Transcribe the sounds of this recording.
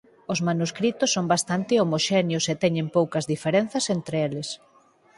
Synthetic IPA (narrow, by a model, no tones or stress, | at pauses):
ʊzmanuskɾit̪ʊsːombast̪ant̪ɪomoʃenjʊset̪ɛɲẽmpowkɐzðifeɾen̟θɐsent̪ɾeelɪs